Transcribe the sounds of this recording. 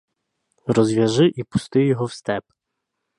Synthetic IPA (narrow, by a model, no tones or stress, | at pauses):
rɔzʋʲɐʒɪʔipʊ̥st̪ɪjɔɦɔwst̪ɛp